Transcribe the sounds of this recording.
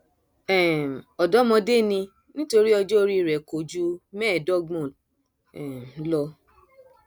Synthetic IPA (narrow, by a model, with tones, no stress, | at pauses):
ɛ˨m˨ɔ˨dɔ˨˦mɔ̃˧de˦˨nĩ˧ | nĩ˦to˧ɾi˦ɔ˧d͡ʒɔ˦o˧ɾi˦˨ɾɛ˨ko˨d͡ʒu˦mɛ˦˨dɔ˦˨ɡmɔ̃˦˨ | ɛ˨˦lɔ˧